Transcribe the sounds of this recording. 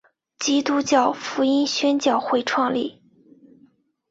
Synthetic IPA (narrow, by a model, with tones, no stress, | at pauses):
t͡ɕi˥t̪u˥t͡ɕjɑ˥˩ʊfu˧˥i˥nɕɥɛ˥nt͡ɕjɑ˥˧ʊxwe˥˧ɪʈ͡ʂʰwɑ˥˧ŋlḭ˥˩